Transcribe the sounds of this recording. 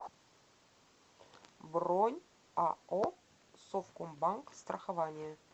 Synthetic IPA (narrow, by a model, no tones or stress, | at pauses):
bronʲ | ɑo | sofkombɑŋkst̪rʔɐχavanʲɪjə